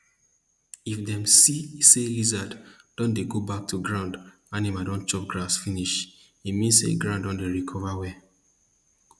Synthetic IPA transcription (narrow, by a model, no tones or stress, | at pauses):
ifdɛ̃msiselizadd̥ɔ̃ndeɡobak̚tʰuɡɹãʊ̃nd | animadɔ̃nt͡ʃɔp̚ɡɹasfiniʃ | imĩnssḛɡɹãʊ̃ndɔ̃ndeɹikʰɔvawɛ